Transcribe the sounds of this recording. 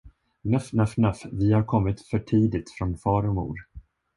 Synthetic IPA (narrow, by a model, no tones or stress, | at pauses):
nafnafnafvɪhaɾkʰɔmːɪt̪fœʈʰiːd̪ɪt̪fɾɔnfɑːɾɔmṵːɾ